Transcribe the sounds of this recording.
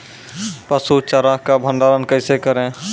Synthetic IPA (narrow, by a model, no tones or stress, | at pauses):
pəsut͡ʃəɾakabʱə̃nɖ̪aːɾənkəɪsekəɾẽ